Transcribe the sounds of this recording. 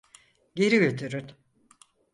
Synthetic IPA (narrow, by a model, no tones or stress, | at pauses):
ɟe̞ɾiɟø̞t̪ʰyɾyn